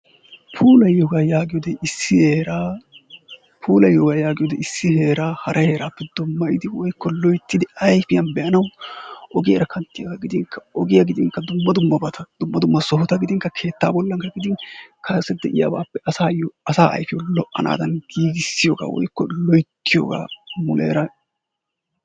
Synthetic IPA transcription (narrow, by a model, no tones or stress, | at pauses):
pʰuːlɐjːɔɡaːjaːɡɪjɔd̪ɛʔɪsːɪheːɾaː | pʰuːlɐjːɔɡaːjaːɡɪjɔd̪ɛɪsːɪhe̞ːɾaːhɐɾʔɐhe̞ːɾaːpːɛd̪̥ʊmːɐjɪd̪ɪwɔjkʰːɔlɔjt̪ːɪd̪ɪɐjfɪjɐnbɛʔɐnɐwʔɔɡɪjɐɾɐkʰɐnt̪ːɪjɐɡaːɡɪd̪ɪŋkʰːɐɔɡɪjɐɡɪd̪ɪŋkɐd̪ʊmːɐd̪ʊmːɐbɐt̪ɐd̪̥ʊmːɐd̪ʊmːɐsɔɦɔt̪ɐɡɪd̪ɪŋkːɐkʰe̞ːt̪ːaːbɔlːɐŋkɐɡɪd̪ɪnkʰɐsɛd̪ɛʔɪja̰ba̰ːpːɛʔɐsaːjɔɐsaːʔɐ̰jfɪjɔlɔʔɐnʔa̰ːd̪ɐnɡiːɡɪsːɪjoːɡa̰ːwɔ̰jkːɔlɔjt̪ʰːɪjo̰ːɡa̰ːmʊlʔḛːɾɐ